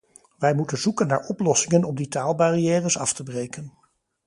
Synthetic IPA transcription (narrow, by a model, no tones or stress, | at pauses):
ʋɛjmutənzukənːa̰ːɹɔplɔsɪŋənɔmditaːlˠbariɛːrəsɑftəbrejkən